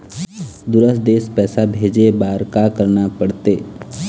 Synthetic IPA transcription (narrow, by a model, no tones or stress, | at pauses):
d̪ʊɾəsd̪eːspɛːsabʱeːd͡ʒebaːɾkakəɾnapəɽt̪eː